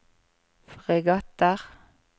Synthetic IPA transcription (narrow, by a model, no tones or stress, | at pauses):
fʁɪɡɑt̪əʁ